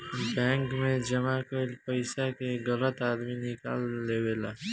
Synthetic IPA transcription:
bɛ̃ːŋkmẽd͡ʒɐmakolpəɪsakeɡɐlət̪aːd̪minɪka̰ːlːeːweːlaː

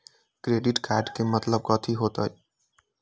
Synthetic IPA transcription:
kɾeːɖɪʈkɛːɖkemət̪ləb̚kət̪ʰiɦoːt̪ə̰j

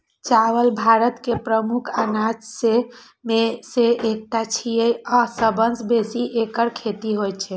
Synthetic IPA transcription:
t͡ʃawəlbʱaɾət̪kepɾəmukʰanad͡ʒse | meseʔek̚ʈat͡ʃʰijejɔsəbənsbesiʔekəɾkʰet̪iɦojt͡ʃʰɛ

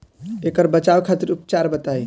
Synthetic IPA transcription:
ekəɾbət͡ʃawkʰat̪iɾupt͡ʃaɾbət̪aj

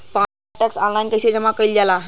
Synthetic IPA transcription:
pã | ʈəksãŋlãnkəsed͡ʑəmakəild͡ʑala

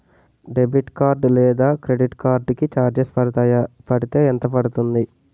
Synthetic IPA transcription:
ɖe̞biʈkaːɾɖlɛːd̪aːkɾe̞ɖiʈkaːɾɖkit͡ʃaːɾd͡ʒespɐɽut̪aːjapɐɽit̪e̞ːɛnt̪ɐpɐɽut̪und̪i

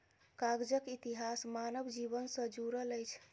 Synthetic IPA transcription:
kaɡd͡ʒəkit̪iɦasmanəbd͡ʒibənsə̃d͡ʒuɾələjt͡ʃʰ

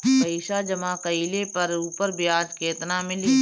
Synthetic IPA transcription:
iːʃad͡ʒɐmakəiːlepɐɾuːpəɾbʱiaːd͡ʒkeːt̪namɪli

